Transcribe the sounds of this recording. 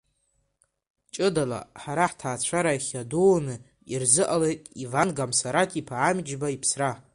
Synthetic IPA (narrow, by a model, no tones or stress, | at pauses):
t͡ʃʼɨdala̰ħaɾaħtʰaːt͡ɕʷʰaɾaiχʲaduːnɨ | irzɨʔale̞jtʼivanɡamsaɾatʰipʰaːmd͡ʒbaipʰsra